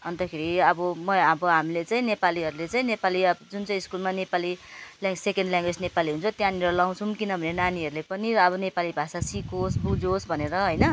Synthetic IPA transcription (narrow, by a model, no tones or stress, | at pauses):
ʌnt̪ʌkʰeɾiʌbʌmʌabʌɦamilet͡saĩnepaliɦʌɾulet͡saĩnepaliʌd͡zunt͡saĩiskulmanepalilaŋɡsekenɳɖljãŋɡwed͡znepaliɦunt͡sʰot̪jãniɾʌlaw̃t͡sʰumkinʌbʱʌnenaniɦʌɾulepʌniɾʌːbʌnepalibʱasasikosbud͡zosbʱʌneɾʌɦʌjnʌ